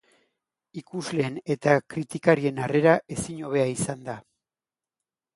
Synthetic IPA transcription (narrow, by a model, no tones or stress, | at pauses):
ikuzle̞ːne̞t̪akɾit̪ikaɾie̞nare̞ɾaʔe̞siɲo̞β̞e̞aisand̪a